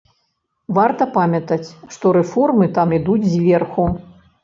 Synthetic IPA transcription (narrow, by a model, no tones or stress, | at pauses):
vart̪ɐpamʲɐt̪ɐt͡sʲʂt̪ɔɾɛfɔrmɨt̪amid̪ud͡zʲzʲvʲɛrxu